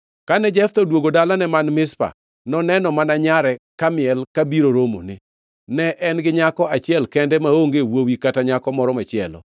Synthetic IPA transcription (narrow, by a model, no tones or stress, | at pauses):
kanɛd͡ʒɛft̪ɔdwoɡodalanɛmanmɪspa̰ | nɔnɛnɔmanaɲaɾɛkamɪɛlkabiɾoɾomo̰nɪ | nɛʔɛnɡɪɲakɔat͡ʃɪɛlkɛndɛmaoŋɡewowikataɲakɔmɔɾɔmat͡ʃɪɛlɔ̰